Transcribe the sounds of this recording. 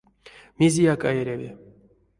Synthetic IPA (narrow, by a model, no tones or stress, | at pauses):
mʲezʲijakajeɾʲavʲḭ